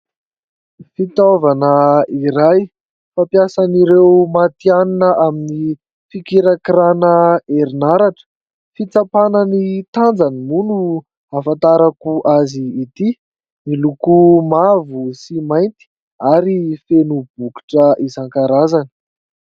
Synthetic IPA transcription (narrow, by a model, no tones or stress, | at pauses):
fit̪ovanəiɾaj | fapjasaniɾewmat̪ianinəʔamini | fikiɾakɾanəeɾinaɾaʈ͡ʂə̥ | fit͡sapanənit̪and͡zanimunu | afant̪aɾakuʔaziːt̪i | milukumavusimajnt̪i̥ | aɾifenub̥uki̥ʈ͡ʂəʔizaŋkaɾazanə̥